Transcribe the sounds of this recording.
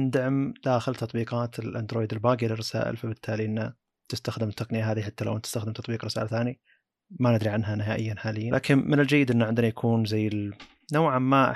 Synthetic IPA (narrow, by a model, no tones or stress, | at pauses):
nd̪aʕmd̪̥aːxɪlt̪ɑt̪ˤbiːqɑːt̪ʰɪlʔand̪ɾoːjd̪ɪlbaːɡilɪrˤːɑsa̰ːʔɪ̰lfabɪt̪ʰːaːliʔɪnːa | t̪ɪst̪axd̪ɪmt̪ːɑqnɪjaɦaːðiħat̪ːala̰wʔnt̪ɪ̥st̪axd̪ɪmt̪ɑt̪ˤbiːqɾɪsa̰ːlat̪θaːni | manɪd̪ɾiʕanɦanɪɦaːʔɪjːanħaːlɪjːalʔa̰ːkɪnmɪnɪld͡ʒajːɪd̪ʔɪnːaʕɪnd̪ɪnajakʰuːnzajːɪ | nowʕamːaʔ